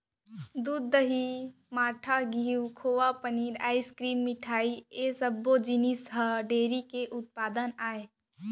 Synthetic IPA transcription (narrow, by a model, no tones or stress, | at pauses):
d̪uːd̪ːəɦi | maːʈʰaɡʱiːwkʰoːʋapəniːɾa̰ːiskɾiːmːɪʈʰaːiesəbːod͡ʒinisɦəɖeːɾikeʔʊt̪̚paːd̪ənaːe